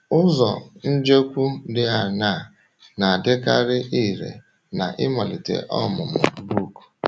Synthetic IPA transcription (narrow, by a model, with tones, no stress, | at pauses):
ʊ˦zɔ̰˨n̩˦d͡ʒe˦kʷu˦dɪ˦a˨na˦˨ | na˨a˨dɪ˦ka˦ɾɪ˦ʔi˦˨ɾḛ˨ | na̰˨ʔɪ˦mɔ˨lɪ˨tḛ˨ʔɔ˦mʊ˨mʊ̰˨bu˦˨k